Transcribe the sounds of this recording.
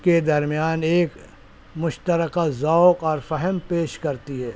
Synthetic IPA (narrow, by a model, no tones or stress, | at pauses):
ked̪ɐɾmijaːneːk | mʊʃt̪əɾəkazaːʊkɔːɾfɛɦɛmpeːʃkɐɾt̪iɦɛː